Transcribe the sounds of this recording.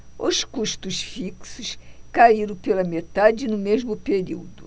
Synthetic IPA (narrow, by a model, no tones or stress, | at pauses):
ʊskuʃt̪ʊsfiksʊʃkaiɾɐ̃w̃pelɐmet̪ad͡ʒɪnʊmeʒmʊpeɾḭwd̪ʊ̰